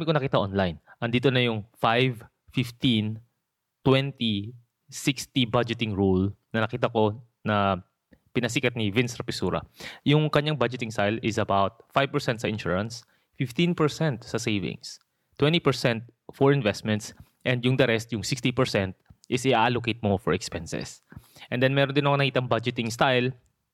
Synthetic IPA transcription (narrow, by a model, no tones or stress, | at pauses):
amɪkonɐkiːt̪ɐʔonlajnʔɐnd̪iːt̪onɐjʊŋfajv | fɪft̪in | t̪wɛnt̪i | sɪkst̪ibad͡ʒɪt̪ɪŋɹulnɐnɐkiːt̪ɐko̞ | nɐ | pɪnɐs̬iːkɐt̪nivɪnsɾɐpɪsuːɾɐ̰jʊŋkɐɲːaŋbad͡ʒɪt̪ɪŋsajlɪsɐbawt̪̚fajvpɛɹsɛnt̪sɐɪnʃṵːɹɐns | fɪft̪ĩnpɛɹsɛ̃nt̪sɐsejvɪ̰̃ŋs | t̪wɛ̃nt̪ipɛɹsɛnt̪̚fɔɹɪ̃nvɛst̪mɛ̃nt̪s | ʔɛnd̪jʊŋd̪ɐɾɛst̪jʊŋsɪkst̪ipɛɹsɛnt̪̚ʔɪsɪʔaːʔalokejt̪̚mofɔ̰ɹɛkspɛnsɛ̰sʔɛnd̪ɛnmɛːɾond̪ɪnɐkonɐkiːt̪ɐŋbad͡ʒɪt̪ɪŋst̪ajl